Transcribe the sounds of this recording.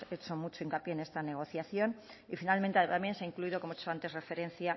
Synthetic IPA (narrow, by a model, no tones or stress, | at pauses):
et͡ʃomut͡ʃo̞iŋkapjeːne̞st̪ane̞ɣ̞o̞θjaθjo̞nifinalmẽ̞nt̪et̪amjenseaiŋkluiðokomoit͡ʃo̞ant̪ere̞fe̞ɾe̞n̟θja